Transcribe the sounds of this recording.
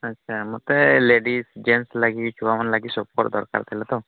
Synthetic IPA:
ətːʃʰamɔt̪eleɖisd͡ʒenslaɡit͡ʃʰubamanlaɡisɔp̚ɔɾʈd̪ɔɾka̰ɾt̪ʰelɛt̪ɔ

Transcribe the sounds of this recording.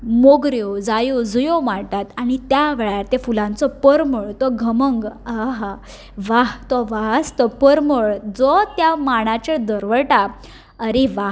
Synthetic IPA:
moɡɾjod͡zajod͡zəjomaɾʈ̪at̪aɽ̃it̪jaʋeɭjaɾt̪efulãnt͡sɔpəɾməɭt̪ɔɡʱəməŋɡaɦ | ʋaɦt̪ɔʋaɦst̪ɔpəɾməɭd͡zɔt̪jamaɽ̃at͡ɕed̪əɾʋəɭʈa | əɾiʋa

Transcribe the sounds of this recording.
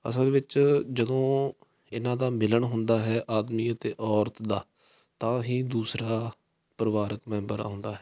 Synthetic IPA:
ə̰səlʋɪt͡ʃd͡ʒəd̪õː | ɪnãːd̪aːmɪləɳɦʊnd̪aːɦɛːʔaːd̪miːət̪eːʔɔːɾt̪d̪aː | t̪ãːɦĩːd̪uːsɾaː | pɾəʋaːɾəkmɛ̃ːmbəɾa̰ːɦʊ̃nd̪aːɦɛː

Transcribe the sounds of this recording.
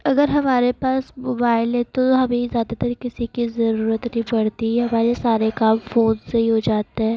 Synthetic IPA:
ɐɡəɾɦɐmaːɾepaːsmoːbaːɪlɦɛ̃t̪oɦɐmẽzjaːd̪at̪əɾkɪsikizɐɾuːɾət̪nəɦĩpɐɽt̪iɦɛɦɐmaːɾesaːɾekaːbfoːnsɐɦiɦod͡ʒaːt̪aɦɛː

